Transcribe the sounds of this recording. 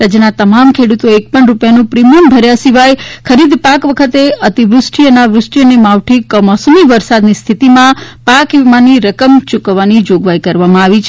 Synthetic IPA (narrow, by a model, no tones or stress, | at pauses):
ɾəd͡ʒnat̪əmamkʰeɽut̪õek̚pəɳɾupjanũpɾimijəmbʱəɾjasiʋajkʰəɾid̪ʱpakʋəkʰət̪eət̪iʋɾʊsʈʰiənaʋɾʊsʈijənemaʋʈʰikəmɔsmiʋəɾsad̪nist̪ʰit̪imãpakʋimaniɾəkəmt͡ʃukʋːanid͡ʒoɡʋajkəɾʋamãaʋit͡ʃʰ